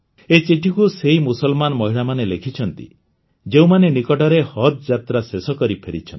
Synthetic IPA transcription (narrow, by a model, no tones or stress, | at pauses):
et͡ʃiʈʰikuseɦimusɔlmanɔmɔɦiɭamanelekʰit͡ʃʰɔnt̪ḭ | d͡ʒeũmanenikɔʈɔɾehɔt̪̚d͡ʒat̪ɾasesɔkɔɾipʰeɾḭt͡ʃʰɔn